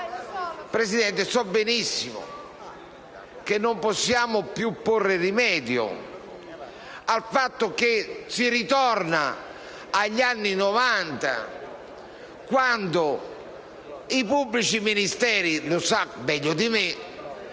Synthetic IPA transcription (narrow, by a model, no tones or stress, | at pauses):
pɾesid̪ɛnt̪esɔbːenisːimʊ̰ | kenːomposːjaːmʊpjupːorːɪrimɛːd̪jʊ̰ | alfat̪ːʊkesiɾit̪ɔrnaː | ʎːanːinɔvant̪a̰ | kwand̪ʊ | ipubːlit͡ʃiminist̪ɛːɾilʊsabɛʎːʊd̪ime